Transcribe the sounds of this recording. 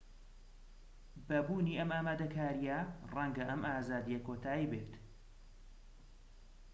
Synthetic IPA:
bɐbuːniːʔɐmaːmaːd̪ɐkʰaːɾijɐrɐŋɡɐʔɐmʔaːzaːd̪ijɐkoːt̪ʰaːjibeːt̪

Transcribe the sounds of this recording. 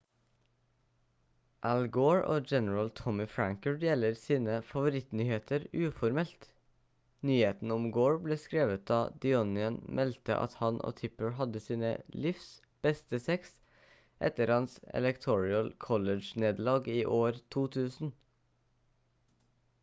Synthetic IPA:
ʔælɡoːɹʔo̰ːd͡ʒɛnəɹəlt̪ʰɔmɪfɹæŋkəɹd̪jɛləɾsiːnəfɑʋʊɾɪt̪nyːheːt̪əɾʉːfɔɾmɛlt̪ | nyːheːt̪n̩ʊmɡoːɹbleːskɾeːʋət̪̚d̪ɑːd̪ɪɔnɪənmʔɛlt̪ə̰ʔɑ̰t̪hɑnʔo̰ːt̪ʰɪpəɹhɑd̪əsiːnə̰lɪfs | b̥ɛst̪əsɛks | ʔɛ̰t̪əɾhɑnsɛ̰lɛkt̪ʰɔɹɪəlkʰɔləd͡ʒneːd̪lɑːɡiːʔoːɾt̪ʰuːt̪ʰʉːsn̩

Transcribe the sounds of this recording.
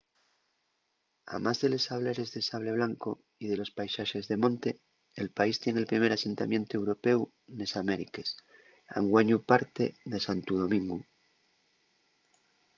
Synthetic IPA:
a̰mazðe̞le̞saβ̞leɾe̞zðe̞saβle̞β̞laŋko | iðe̞lo̞spajsaʃe̞zðe̞mõ̞nt̪e̞ː | lpaist̪je̞ŋe̞lpɾime̞ɾase̞nt̪amje̞nt̪oe̞wɾo̞pe̞w | ne̞same̞ɾikes | a̰ŋɡwaɲupaɾt̪eðe̞sant̪uð̞o̞mĩŋɡu

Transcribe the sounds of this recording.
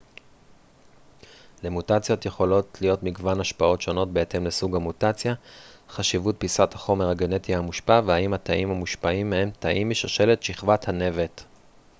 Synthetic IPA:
lemutat͡sjo̞t̪jeχo̞lo̞tʰlijo̞tmiɡvanaʃpao̞tʃo̞no̞t̚be̞et̪e̞mlesuɡamutat͡sjaχaʃivut̚pisathaχo̞meʁhaɡene̞tiaamuʃpavehaimhat̪aʔimhamuʃpaimːehe̞mtʰaʔimːiʃaʃe̞le̞tʃiχvathane̞ve̞t

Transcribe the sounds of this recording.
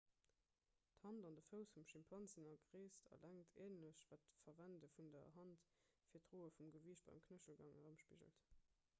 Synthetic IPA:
thɑndɑndəfəʊsfumʃimpʰɑnzənɐɡʁeːstʰɑ̰lʔæŋtʰeːnəɕvæːtfɐvændəfundɐ̰ɦɑnt | fiːɐtʁoːəfumɡəviəɕt̚b̥ɑ̰ɪmkʰnəɕəlɡɑŋəʁəmʃpiʒə̰lt

